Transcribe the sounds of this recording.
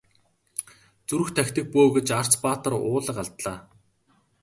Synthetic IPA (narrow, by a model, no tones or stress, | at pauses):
t͡suɾɵ̆xt̪ʰæxʲt̪ɘ̆k̚poːɣĕt͡ɕar̥t͡spaːt̪ə̆rʊːɮə̆qaɮt̪ɮaː